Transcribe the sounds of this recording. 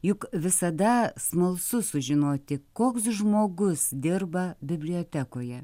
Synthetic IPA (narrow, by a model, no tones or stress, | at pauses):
jʊkʋʲɪsɐd̪ɐsmɐlˠsʊsʊʒʲɪnoːt̪ʲɪkoːksʒmoːɡʊsd̪ʲɪrbɐbʲɪbʲlʲɪoːt̪ʲækoːjɛ